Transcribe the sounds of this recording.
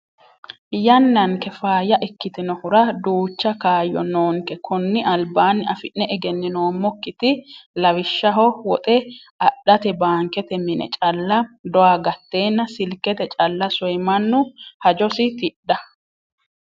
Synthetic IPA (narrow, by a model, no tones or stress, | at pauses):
jɐnːɐŋkɛfaːjɐʔɛkːɪt̪ɪnɔhʊɾɐd̪uːt͡ʃːɐkaːjːɔ̰noːŋkɛkʰɔnːɪʔɐlbaːnːɪɐfɪnːɛʔɛɡɛnːɪnoːmːɔkːɪt̪ɪlɐwɪʃːɐɦɔwɔt̪ʼɛ | ɐɗːɐt̪ɛbaːŋkɛt̪ɛmɪnɛ̰t͡ʃʼɐlːɐd̪ɔwaɡɐt̪ːe̞ːnːɐsɪlkɛt̪ɛt͡ʃʼɐlːɐsɔjmɐnːʊhɐd͡ʒɔsɪt̪ɪɗɐ